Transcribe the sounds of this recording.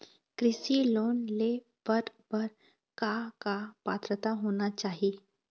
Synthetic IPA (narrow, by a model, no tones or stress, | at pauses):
kɾɪsiloːnle | b̥ɐɾbɐɾ | kakapaːt̪ɾət̪aɦoːnat͡ʃaːɦie